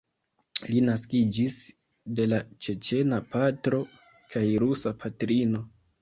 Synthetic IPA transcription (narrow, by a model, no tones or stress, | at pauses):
linaskid͡ʒis | de̞lat͡ʃe̞t͡ʃe̞napatɾo̞ | kʰajɾusapʰatɾino̞